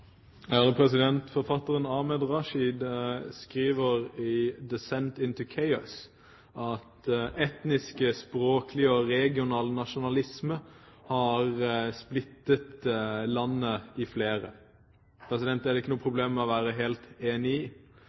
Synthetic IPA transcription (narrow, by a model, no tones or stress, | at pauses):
æd̪əpʰɾɛsɪd̪ɛnt̪fɔɾfɑt̪ːəʁənɑmɛd̪ʁɑʃid̪skɾiːʋəɾɪd̪ɛsɛnt̪ɪnt̪ʉkʰɛɪɔs | ʔɑt̪ʔɛt̪nɪskəspɾoːklɪɔʁɛɡɪʊnɑːlnɑʃʊnɑlɪsmə | hɑʁsplɪt̪ːət̪lɑnːəɪfleːɾə̰ | pʰɾɛsɪd̪ɛnt̪æɾd̪ɛɪkːənuːəpʰɾʊbleːmmɛɔʋæːɾəɦeːlt̪eːnɪi